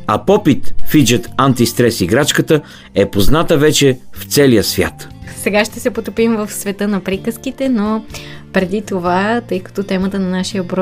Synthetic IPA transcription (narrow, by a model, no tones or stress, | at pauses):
ɐpɔpit̪fid͡ʒət̪ant̪ist̪ɾɛsiɡɾat͡ʃkət̪ə | ɛpoznat̪əvɛt͡ʃɛft̪sɛlijəsvʲja̰t̪sɛɡaʃt̪ɛsɛpot̪opimvɐfsvɛt̪ɤnɐpɾikəskit̪ɛnopɾɛd̪it̪ovat̪ɤjkɐ̥t̪ot̪ɛmət̪ənɐnaʃijəbɾɔ